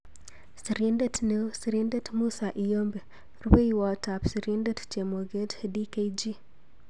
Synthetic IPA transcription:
si˨ɾi˦ndetnesi˨ɾinde˦tmu˦saʔi˨jo˦mbe˨ | ɾu˦be˦jwɔ˨ta˨psi˨ɾi˦ndett͡ʃe˨mo˨ɡe˦tdi˦ke˦jd͡ʒi˦

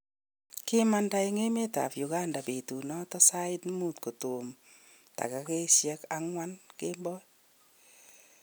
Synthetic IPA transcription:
kɪ˦ma˦nda˦i˦ŋe˦me˦ta̰˨pju˨ka˦nda˨be˨tu˨nɔ˦tɔ˦sa˦ɪ˦tmu˦t̚ko˨to˨m | ta̰˨ka˨ke˦sjɛ˦ka˦ŋwa˦nke˦mbɔ˦

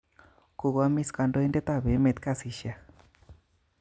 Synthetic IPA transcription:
ko˨ɣa˦mi˦ska˧ndo˦i˦ndɛ˦t̪a˦˨βe˨˦me˨t̪̚ka˦˨si˨ʃja˨

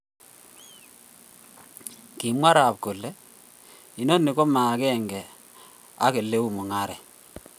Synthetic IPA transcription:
ki˨mwa˦ɾa˨p̚ɡo˨lːɛ˦ | i˨no˦nːi˨ko˦ma˨kɛ˦˨ŋɡɛ˨ | a̰˦ke˨lːe˦u˨mʊ˨ŋa˦ɾɛ˨

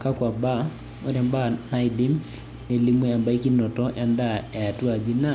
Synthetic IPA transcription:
ka˦kwa˨ba˦ | ɔ˨ɾɛmba˦na˦idi˦m | ne˨li˦mwɛ˦a˨mba˦i˦ki˦nɔ˨tɔjanda˦a˨a˨tu˦a˨d͡ʒina˦

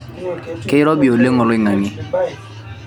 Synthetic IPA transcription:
kɛ˦ɾɔ˦bi˨o˨le˦ŋɔ˨lɔ˦i˨ŋa˨ŋi˦

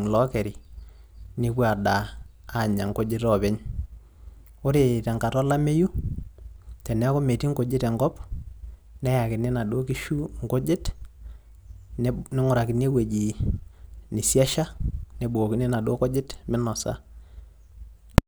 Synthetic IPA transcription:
lɔ˦kɛ˨ɾi˨ | nɪ˦kwa˨daː˨ | ɲa˨ŋko˦d͡ʒɪ˦tɔ˨bɛ˦ɲ | o˦ɾe˨tɛ˨ŋka˨tɔ˦la˦me˦ju˦ | tɛ˨nɛ˦ko˦me˨ti˦ŋɡo˨d͡ʒɪ˦tɛ˨ŋɡɔ˦p | nɛ˦ja˨kɪ˨ne˦na˨do˦ki˦ʃu˦ŋɡo˦d͡ʒɪ˦t | nnɪ˦ŋʊ˨ɾa˨kɪ˨nje˦we˨d͡ʒi˨ | nɪ˨sjɛ˦ʃa˦nɛ˨bu˨ɡo˨kɪ˦nɛ˦na˨do˦kɔ˦d͡ʒɪ˦tmɪ˦nɔ˨sa̰˦

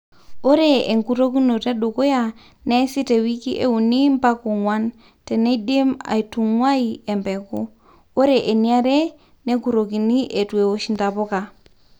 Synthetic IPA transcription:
o˦ɾe˨e˨ŋku˨ɾo˦ki˦no˨te˦ɗo˨ko˦ja˦˨ | ne˦si˦te˨wi˦ki˦ʔe˦u˨ni˦mpa˦ko˨ŋwa˦n | te˨ne˦di˦ma̰˨i˨tu˨ŋwa˦i˦e˨mbɛ˨ko˦ | o˦ɾe˨ʔe˨ni˦a˦ɾe˦ | ne˦ku˨ɾo˨ki˨ni˦ʔe˨tu˨e˨wo˦ʃi˦nda˨po˦ka˨

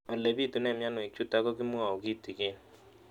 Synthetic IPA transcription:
a˨le˨bi˦˨tu˨˦nɛ˦˨mja˦nɔ˨i˨t͡ʃu˦ta˦kɔ˦kɪ˦mu˦a˨o˨ki˦˨ti˨ke˦

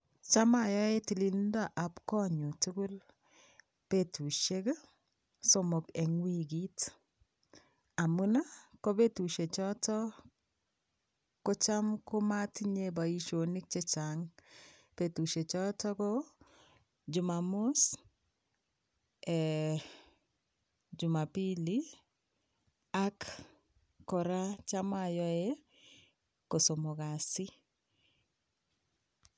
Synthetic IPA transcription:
t͡ʃa˦ma˨ja˦e˦ti˨li˦ndo˦a˨ʔa˨pkɔ˦ɲo˨tu˦ɡu˦l | pe˦tu˨ʃe˦ɡ | so˦mo˨ke˨ŋwi˦ɡi˦t | a˨mu˦na˦ko˦be˦tu˨ʃe˨t͡ʃɔ˦tɔ˦ | ko˦t͡ʃa˦mko˦ma˦tiɲe˦ba˨i˦ʃo˨ni˦k̚t͡ʃe˦t͡ʃa˨ŋ | pe˨tu˨ʃe˨t͡ʃɔ˦tɔ˦ko˦ | d͡ʒʊ˨ma˨mʊ˦s | ɛ˨ | d͡ʒu˨ma˨pi˦li˦ | a˦kː | ɔ˨ɾa˦t͡ʃa˦ma˨jɔ˦e˦ | ko˨so˨mo˨ɡa˨sɪ˦

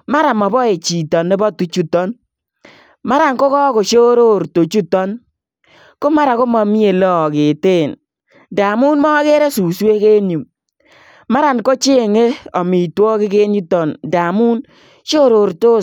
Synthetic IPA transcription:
ma˦ɾa˨mɔ˨bɔ˦e˨t͡ʃi˨tɔ˨ne˦bɔ˦tu˨t͡ʃu˦tɔ˦n | ma˦ɾa˨ŋko˦kɔ˦ko˨ʃo˦ɾo˦ɾto˨t͡ʃu˦tɔ˦n | kʊ˦ma˦ɾa˨ko˦mɔ˨mi˦e˨lɔ˦˨kɪ˨te˦˨n | da˨mu˦nmɔ˦ke˦ɾe˦su˨swe˦ke˦nju˨m | ma˦ɾa˨nko˦t͡ʃe˦˨ŋe˦ɔ˨mi˨twɔ˦kɪ˦ke˦nu˦tɔ˨nda˨mu˦n | ʃo˦ɾo˨ɾto˦

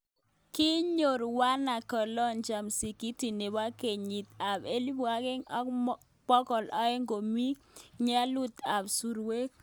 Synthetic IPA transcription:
ki˦ɲo˨ɾwa˦na˨kɔ˨lɔ˦nd͡ʒa˨msi˨ki˦ti˨ne˨wa˦ke˨ɲi˨t̪̚a˨be˦li˦bu˨a˦kɪ˦ŋɔ˦k | pɔ˦kɔ˨lʔɔ˦ɛ˦ŋɡo˨mi˦k̚ɲa˦lu˦t̪a˨bsu˨ɾwe˦k̚

